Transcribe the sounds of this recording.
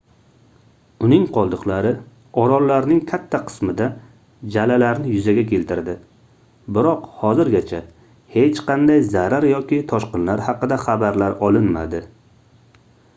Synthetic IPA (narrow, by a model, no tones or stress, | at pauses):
ʊnɪŋqʰɒlˠd̪ɨqlˠaɾɪ | ɒɾɒlːaɾnɪŋkʲʰat̪ʰːaqʰɨ̥smɪd̪a | d͡ʒalalaɾnɪjʊzaɡʲakʲʰe̞lt̪ɪɾd̪ɪ | bɪɾɒqhɒzɪɾɡʲat͡ʃʰa | he̞t͡ʃqʰɑnd̪ajzaɾaɾjɒkʲɪt̪ʰɒʃqɨnlaɾhɑqɨd̪aχabaɾlaɾɒlˠɪnma̰d̪ɪ